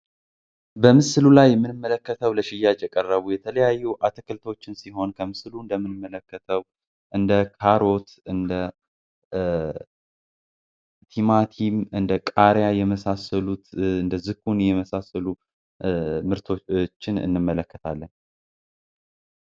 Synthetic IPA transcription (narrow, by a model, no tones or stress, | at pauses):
bəmɨslulajːɛmːɨnɨmːələkːət̪ʰəwləʃɪjːad͡ʒjɛkʼərːəβujɛt̪ʰələjajːuʔat̪ʰɨkʰɨlt̪ʰo̞t͡ʃːɪnsiɦo̞nkʰəmɨsluɨnd̪əmːɨnɨmːələkːət̪ʰəw | ʔɨnd̪əkʰaɾo̞t̪ɨnd̪ə | t̪ʰimat̪ʰimɨnd̪əkʼaɾjajɛməsasəlut̪ɨnd̪əzɨkːunjɛməsasəlu | mɨɾt̪ʰo̞t͡ʃːɪnɨ̰nːɨmːələkːət̪ʰalːən